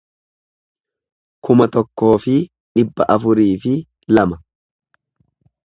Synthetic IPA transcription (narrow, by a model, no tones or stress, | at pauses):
kʊmɐt̪ɔkːo̞ːfɪ | ᶑɪbːɐʔɐfʊɾiːfɪ | lɐmɐ